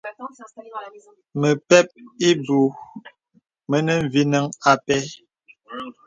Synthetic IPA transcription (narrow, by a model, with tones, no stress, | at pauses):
mə˨pɛ˦p̚i˦bu˨ | mə˦nə˦ɱ̩˨vi˦nə˦ŋa˨pɛ˦